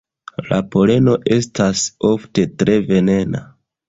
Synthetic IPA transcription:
lapo̞le̞no̞ʔe̞staso̞fte̞tɾe̞ve̞ne̞na

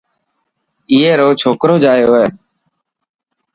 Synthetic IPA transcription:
ɪːɦeːɾoːt͡ʃʰoːkɾoːd͡ʒaːjoːɦeː

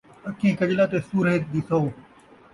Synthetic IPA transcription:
əkʰẽːkəʄlaːt̪eːsuːɾɦeːt̪̚d̪iːsooː

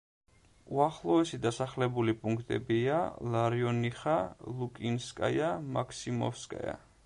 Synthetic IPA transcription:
uaχlˠɔɛsid̪asaχlɛbulipʼuŋkʰt̪ʼɛbialˠaɾiɔniχalˠukʼinskʼa̰jamakʰsimɔ̰fskʼa̰ja̰

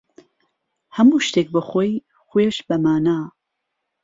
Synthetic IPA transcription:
hɐmuːʃt̪eːk̚bəxoj | xojeʃbɐmaːnaː

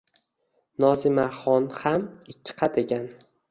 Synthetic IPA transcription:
nɒzɪmaχɒnhamɪkʲʰːɪ̥qʰɑd̪eɡʲan

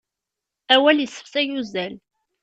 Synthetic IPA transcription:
æwæljəsːə̥fsæjuzæl

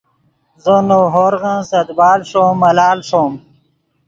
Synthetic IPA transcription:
zənoɦoɾɣə̃sɐd̪baːlʂomːɐlaːlʂom

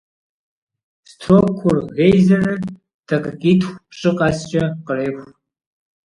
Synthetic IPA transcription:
stʰokʷʰʊrɣejzɐrɐ | d̥ʰɐqʼɨkʼiːtʰxʷpɕʼɨqɑːst͡ʃʼɐqəɾeːxʷ

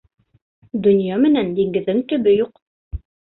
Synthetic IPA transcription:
d̪ɵ̆njɑmɘ̆nænd̪iŋɡɘ̆ðːɘŋt̪ɵ̆bɘjuq

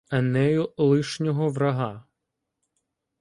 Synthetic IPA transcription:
ɐnɛjʊlˠɪʃnʲɔɦɔʋɾɐɦɑ

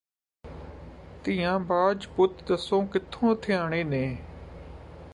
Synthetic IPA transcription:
t̪ĩːãːbaːd͡ʒpʊt̪d̪əsõːkɪt̪ʰõːt̪ʰeaːɳeːnẽː

